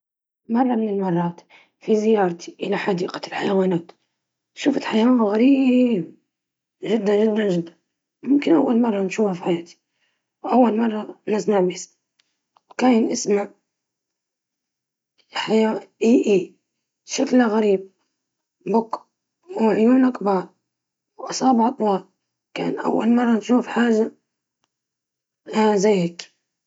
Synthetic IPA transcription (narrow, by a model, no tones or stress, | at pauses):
mɑrˤːɑmɪnɪlmɑrˤːɑːt̪ | fizɪjɑːɾˤt̪ʰi̥ʔɪlaħad̪iːqḁlħajawaːnaːt̪ | ʃuːfat̪ħajawanɣaɾib | ʒɪd̪ːanʒɪd̪ːanʒɪd̪ːan | mʊmkɪnʔawːalmɑrˤːɑnʃuːhafiħajaːt̪i̥ | wʔawːalmɑrˤːɑnɪzmaʕbis | wkaːjnʔɪsmaʕ | ħajaʔiːʔiː | ʃaklaɣaɾiːb̚ | bʊk | wʕjuːnakbɑːɾˤ | wʔɑsˤɑːbʕɑt̪ˤwɑːl | ka̰ːnʔa̰wːalmɑrˤːɑnʃuːfħaːʒa | azajhak